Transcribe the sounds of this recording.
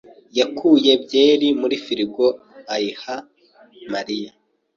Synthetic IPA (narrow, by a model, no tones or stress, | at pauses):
jakʰuːje̞bje̞ːɾimuɾifiɾiɡo̞ | ajiha | maɾija